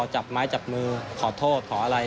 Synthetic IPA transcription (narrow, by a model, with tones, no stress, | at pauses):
ɔː˨˩t͡ɕa˨˩p̚maː˦˥jt͡ɕa˨˩p̚mɯː˧kʰɔː˨˩˦t̪ʰoː˥˩t̪̚kʰɔː˩˦ʔa˧ɾa˧j